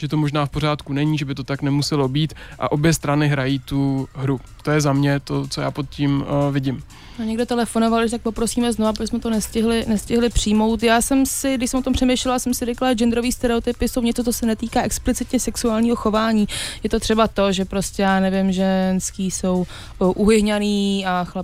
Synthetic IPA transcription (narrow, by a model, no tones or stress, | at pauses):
ʒ̥ɛt̪omoʒnaːfpor̝aːt̪kunɛɲiːʒɛbɪt̪ot̪aknɛmusɛlobiːt̪ʔa̰ʔo̞bjɛst̪ɾanɪɦɾajiːt̪uɦɾu | t̪ojɛzamɲɛt̪ot͡soja̰ːpot̪̚ciːmvɪɟɪm | noɲɛɡdot̪ɛlɛfonovaldɪʒt̪ak̚po̞pɾosiːmɛznovabosmɛt̪onɛscɪɦlɪnɛscɪɦlɪpr̥iːmo̞wt̪jaːsɛmsɪdɪʃsɛmot̪ompr̝̥ɛmejʃlɛlasɛmsɪɾɛklad͡ʒɛnd̪ɾo̞viːst̪ɛɾɛot̪ɪpɪsowɲɛt͡sot͡sosɛnɛt̪iːkaːɛksplɪt͡sɪt̪ɲɛsɛksuaːlɲiːɦo̞xo̞vaːɲiːjɛt̪o̞t̪r̝̥ɛbat̪o̞ʒɛpɾo̞scɛjaːnɛvɪmʒɛnskiːso̞w | ʔuɦɪɦɲaniːaxlɛ